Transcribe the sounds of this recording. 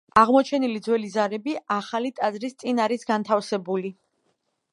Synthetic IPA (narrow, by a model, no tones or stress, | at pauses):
aʁmɔt͡ʃʰɛnilid̪zwɛlizaɾɛbiaχalit̪ʼazɾist̪sʼinaɾisɡant̪ʰafsɛbuli